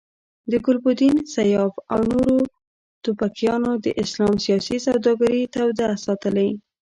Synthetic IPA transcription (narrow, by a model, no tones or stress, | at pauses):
d̪əɡʊlbʊd̪insajɑfa̰wnoɾo | t̪ʊpakjɑnod̪əʔɪslɑmsijɑsisawd̪ɑɡaɾit̪awd̪asɑt̪əla